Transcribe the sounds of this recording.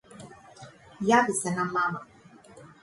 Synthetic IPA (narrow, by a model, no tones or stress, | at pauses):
jabisɛnamama